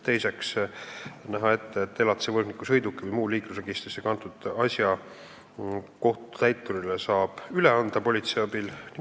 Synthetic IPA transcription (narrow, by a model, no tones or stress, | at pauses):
t̪e̞jse̞ks | næɦɑe̞t̪ːet̪ːˑelɑt̪sevɤrnikːusɤ̞jd̪ukːˑivɤjmuːliːklusreɡist̪risekɑnt̪ˑud̪̥ɑsjɑ | ko̞ht̪u̥t̪æjt̪ːˑuɾilesɑːb̥yleɑnd̪̥ɑpo̞lʲit̪seɑbilni